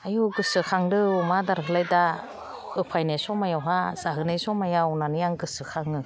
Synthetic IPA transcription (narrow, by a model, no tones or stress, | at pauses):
ajuɡɯsɯkʰaŋɾɯumadaɾkʰɯlajda | ɯpʰajnajsɔmajawɦazaɦɯnajsɔmajawnanijaŋɡɯsɯkʰaŋɯ